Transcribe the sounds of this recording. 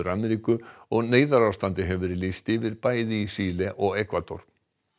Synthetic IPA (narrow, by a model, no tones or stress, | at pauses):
ʏɾamɛɾikʏɔɣneːjðaɾawst̪ant̪ɪɦɛvvɪɾɪlist̪ɪvɪɾpaːjðɪisiːlɛʔɔɣɛkvat̪ɔ̰ɾ̥